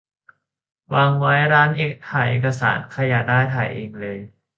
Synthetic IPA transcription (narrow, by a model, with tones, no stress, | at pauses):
waː˧ŋwa˦˥jɾaː˦˥nʔeː˨˩t̪ʰaː˨˩˦jʔḛː˨˩ka˧sa̰ː˩˦nkʰa˧ja˨˧˩daː˥˩jt̪ʰaː˨˩jʔeː˧ŋlɤː˧j